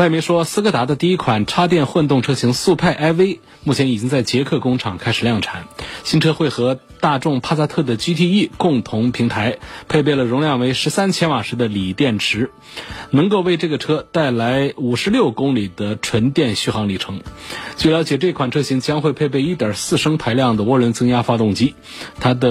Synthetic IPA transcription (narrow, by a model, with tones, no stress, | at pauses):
wa˥˩ɪme˧˥ʂwɔ˥sɹ̩˥kɤ˥t̪a˧˥d̪ə˧t̪i˥˧i˥kʰwa˨˩nʈ͡ʂʰa˥t̪̬jɛ˥˧nxwə˥˧nt̪ʊ˥˩ŋʈ͡ʂʰɤ˥ɕi˧˥ŋsu˥˧pʰa˥˩ɪʔa˥ɪwe˥ɪ | mu˥˩t͡ɕʰjɛ˧˥ni˨˩t͡ɕi˥ŋt͡sa˥˩ɪt͡ɕjɛ˧˥kʰɤ˥˩kʊ˥ŋʈ͡ʂʰɑ˨˩ŋkʰa˥ɪʂɻ̩˨˩ljɑ˥˩ŋʈ͡ʂʰa˧˥˦nɕi˥nʈ͡ʂʰɤ˥xwe˥˩ɪxɤ˧˥ | t̪a˥˧ʈ͡ʂʊ˥˧ŋpʰa˥sa˥t̪ʰɤ˥˩d̪ə˩t͡ɕy˥t̪ʰi˥˧i˥˩kʊ˥˩ŋt̪ʰʊ˧˥ŋpʰi˧˥ŋt̪ʰa˧˥ɪpʰe˥˧ɪp̬e˥˩ɪlə˩ɻʊ˧˥ŋljɑ˥˩ŋwe˧˥ɪʂɻ̩˧˥sa˥nt͡ɕʰjɛ˥nwa˨˩ʂɻ̩˧˥d̪ə˧li˨˩t̪jɛ˥˩nʈ͡ʂʰɻ̩˧˥ | nɤ˧˥ŋko˥˧ʊwe˥˧ɪʈ͡ʂɤ˥˩ɡə˩ʈ͡ʂʰɤ˥t̪a˥˩ɪla˧˥ɪu˨˩ʂɻ̩˧˥ljo˥˩ʊkʊ˥ŋli˨˩d̪ə˦ʈ͡ʂʰwə˧˥nt̪jɛ˥˧nɕy˥˩xɑ˧˥ŋli˨˩ʈ͡ʂʰɤ˧˥ŋt͡ɕwe˥˩ljɑ˧˥ʊt͡ɕjɛ˨˩ʈ͡ʂɤ˥˩˧i˥˩kʰwa˨˩nʈ͡ʂʰɤ˥ɕi˧˥ŋt͡ɕjɑ˥ŋxwe˥˧ɪpʰe˥˧ɪpe˥˧ɪi˥˩t̪jə˞˨˩sɹ̩˥˩ʂɤ˥ŋpʰa˧˥ɪljɑ˥˩ŋd̪ə˩wɔ˥ɻə˧˥nt͡sɤ˥ŋja˥fa˥t̪ʊ˥˩ŋt͡ɕi˥ | t̪ʰa˥d̪ə˨